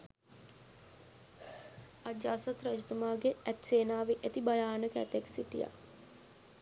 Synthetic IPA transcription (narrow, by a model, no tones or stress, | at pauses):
ad͡ʒaːsat̪ɾad͡ʒit̪umaːɡeæt̪seːnaːʋeʔet̪ibajaːnəkəɛ̰t̪eksiʈḭja̰